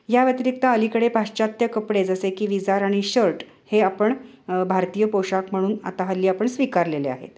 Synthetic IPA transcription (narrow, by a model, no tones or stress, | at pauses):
jaʋjət̪iɾik̚t̪aəlikəɽepaɕt͡ɕat̪jəkəpɽed͡zəsekiːʋid͡zaɾaɽ̃iɕəɾʈ | heapəɳbʱaɾt̪iːjəpoɕakm̤əɽ̃uːna̰t̪aɦəlːiːapəɳsʋikaɾlelea̰ɦḛt̪